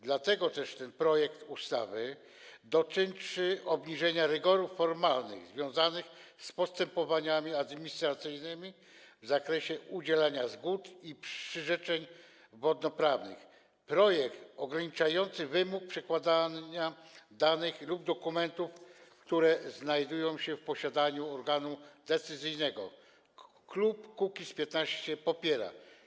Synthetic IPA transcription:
d̪lat̪ɛɡɔt̪ɛʂt̪ɛnpɾɔjɛkt̪ust̪a̰vɘ | d̪ɔt͡ʂɘnt͡ʂɘɔbɲiʐɛɲaɾɛɡɔɾufːɔɾmalnɘ̰ɣzvʲjɔ̃w̃zanɘxspɔst̪ɛmpɔvaɲamʲiad̪mʲiɲist̪ɾat̪sɘjnɘmʲi | vzakɾɛɕɛʔud͡ʑɛlaɲazɡut̪ipʂɘʐɛt͡ʂɛɲ | vɔd̪nɔpɾavnɘ̰x | pɾɔjɛkt̪ɔɡɾaɲit͡ʂajɔnt̪sɘvɘmuk̚pʂɛkwad̪aɲad̪anɘxlub̚d̪ɔkumɛnt̪ufkt̪uɾɛznajd̪ujɔ̃w̃ɕɛfpɔɕad̪aɲuɔɾɡanud̪ɛt̪sɘzɘjnɛɡɔ̰ | klupkukʲispʲjɛt̪naɕt͡ɕɛpɔpʲjɛɾa̰

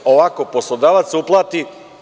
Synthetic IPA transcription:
oʋakoposlˠod̪aːʋat̪suplˠaːt̪i

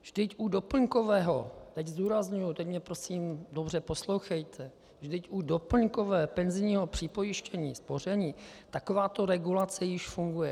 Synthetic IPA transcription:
vʒdɪcʔudo̞pl̩ŋko̞vɛːɦo̞̰t̪ɛczd̪uːɾazɲujut̪ɛcmɲɛpɾo̞siːmdo̞br̝ɛposlo̞wxɛjt̪ʰɛ | ʒdɪcʔudopl̩ŋko̞vɛːpɛnzɪɲiːɦo̞pr̝̥ɪpo̞jɪʃcɛɲiːspo̞r̝ɛɲiːt̪akovaːt̪o̞ɾɛɡulat͡sɛjɪʃfuŋɡujɛ

